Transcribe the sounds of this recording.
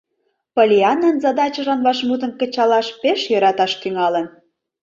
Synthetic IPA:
polʲiɑnənzɑd̪ɑt͡ɕə̆ʒɑnvɑʃmud̪ə̆nkə̆t͡ɕɑlɑʃpeʃjɤ̆ɾɑt̪ɑʃt̪yŋɑlən

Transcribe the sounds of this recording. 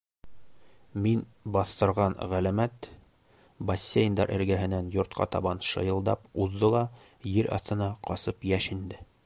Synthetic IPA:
minbɑθt̪ɤ̆ɾʁɑnʁælæmæt̪ | bɐsʲːejnd̪ɑɾʔɘ̰̆ɾɡæɦɘ̆nænjŏɾt̪̚qɑ̰t̪ɑ̰βɑnʃɤ̰̆jɤ̆lˠd̪ɑpuðd̪ɤlˠɑ | jɘɾɑ̰θt̪ɤ̆nɑqɒsɤpjæʃind̪ɘ

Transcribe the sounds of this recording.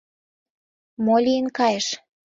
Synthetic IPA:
molʲijənkɑjeʃ

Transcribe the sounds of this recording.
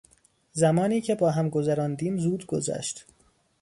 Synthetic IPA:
zæmɒːniːcʰe̞bɒːɦæmɡo̞zæɾɒːnd̪iːmzuːd̪ɡozæ̰ʃt̪

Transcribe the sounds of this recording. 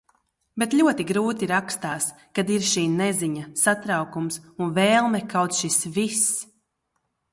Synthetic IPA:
bet̪ʎʲuɔt̪iɡɾuːt̪iɾakst̪aːs | kad̪iɾʃiːnɛziɲasat̪ɾawkumsunvɛːlˠmɛkawt̪sʃisvis

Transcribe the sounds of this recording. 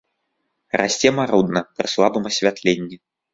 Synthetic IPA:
ɾa̰sʲt͡sʲɛmaɾud̪nɐpɾɨslˠabɨmɐsʲvʲat̪lʲenʲːi

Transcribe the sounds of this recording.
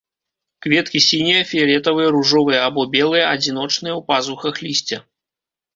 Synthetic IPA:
kvʲɛt̪kʲisʲinʲijɐfʲiɐlʲɛt̪ɐvɨjɐɾuʐɔvɨjɐabɔbʲɛlˠɨjɐɐd͡zʲin̪ɔt͡ʂnɨjɐwpazuxɐxlʲisʲt͡sʲɛ

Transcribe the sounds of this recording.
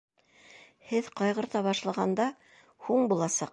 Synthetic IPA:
hɘðqɑjʁɤ̆ɾt̪ɑβɑʃlˠɑʁɑnd̪ɑ | huɴbulˠɑsɑq

